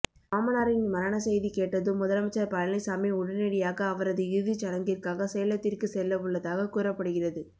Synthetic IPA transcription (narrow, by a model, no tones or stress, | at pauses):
aːmɐnaːɾɪnmɐɾɐɳɐsɛjðikeːʈːɐðɯmːʊðɐlɐmɐt͡ʃːaɾpɐɻɐlɐɪsaːmɪʊɽɐnɛɽɪjaːɣɐːʋɐɾɐðɯɪɾɯðit͡ʃɐɽɐŋɡɪrkaːɣɐsɛjɐɭɐt̪ːɪrkɯsɛlːɐʋɯɭːɐðaːɣɐkuːɾɐpːɐɽɯɣɪrɐðɯ